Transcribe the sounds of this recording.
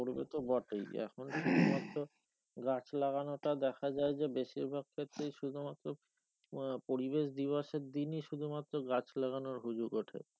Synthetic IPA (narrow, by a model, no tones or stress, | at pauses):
oɾbḛt̪obɔʈejɛ̰kʰonʃud̪ʱumat̪ːɾo | ɡat͡ɕlaɣanoʈad̪ɛkʰad͡ʑaed͡ʑebeʃiɾbʱaɡ̚kʰet̪ːɾejʃud̪ʱumat̪ːɾo | poɾibeʃd̪iβaʃeɾd̪iniʃud̪ʱumat̪ːɾoɡat͡ɕlaɣanoɾɦud͡ʑuɡoʈʰḛ